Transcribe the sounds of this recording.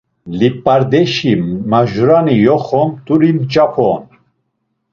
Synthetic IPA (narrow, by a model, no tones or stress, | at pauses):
lipʼːaɾd̪ɛʃimaʒuɾanijɔχɔmt̪ʼuɾimt͡ʃʼapʰɔn